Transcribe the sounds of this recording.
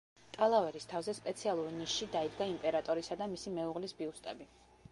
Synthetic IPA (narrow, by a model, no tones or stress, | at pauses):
t̪ʼalˠavɛɾist̪ʰavzɛspʼɛt̪sʰialˠuɾniʃːid̪aid̪ɡaimpʼɛɾat̪ʼɔɾisad̪amisimɛuʁlisbiust̪ʼɛbi